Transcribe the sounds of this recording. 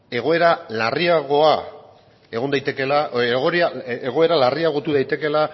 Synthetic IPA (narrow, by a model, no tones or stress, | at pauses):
e̞ɣ̞o̞e̞ɾalariaɣ̞o̞a | e̞ɣ̞o̞nd̪ajt̪e̞ke̞laɣoɾaeɣ̞o̞e̞ɾalariaɣ̞o̞t̪uðajt̪e̞ke̞la